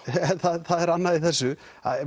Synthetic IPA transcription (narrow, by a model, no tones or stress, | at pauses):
ɛnθaðθaðɛɾanːaðiθɛsːʏ | a̰ð